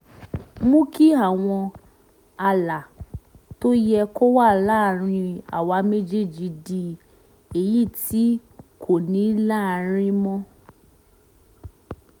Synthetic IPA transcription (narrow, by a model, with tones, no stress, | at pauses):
mũ˦ki˦a˦˨w̃ɔ̃˧ | a˧la˨ | to˦jɛ˧ko˦wa˦˨la˦ɾ̃ĩ˧a̰˨wa˨˧˦me˦d͡ʒe˦˨d͡ʒi˧di˧ | e˨ji˦˨ti˦ | kʰo˦˨nĩ˨˦la˦˨ɾ̃ĩ˦mɔ̃˦